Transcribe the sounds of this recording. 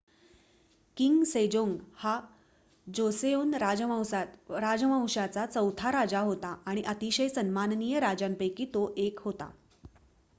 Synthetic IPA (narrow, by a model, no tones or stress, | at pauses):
kiŋɡsed͡ʑoŋɡha | d͡ʑoseonɾad͡zwɾad͡zəmãw̃ɕat͡sat͡səwt̪ʰaɾad͡zaɦot̪aaɽ̃iʔət̪iɕəjsənmannijəɾad͡ʑampəjkiːt̪oʔekɦot̪a̰